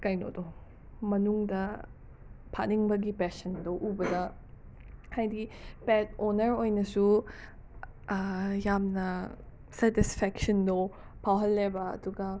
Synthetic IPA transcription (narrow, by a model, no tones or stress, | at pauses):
kajno̰do | mɐnuŋdɐ | pʰaniŋbɐɡipɛsɐndoʔubɐdɐ | kajdipɛt̚onɐɾojnɐsu | jamnɐ | sɛtispʰɛksɐndo | pʰawɦɐlːebɐɐ̰duɡɐ